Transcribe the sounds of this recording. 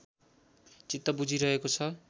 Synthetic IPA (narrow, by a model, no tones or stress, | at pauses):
t͡sit̪ːʌbud͡zʱiɾʌɦekot͡sʰʌ